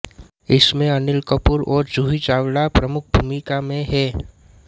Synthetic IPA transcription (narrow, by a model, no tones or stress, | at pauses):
ɪsmẽɐnɪlkəpuɾɔːɾd͡ʒuːɦit͡ʃaːwɽapɾəmʊk̚ʰbʱumikamẽɦɛː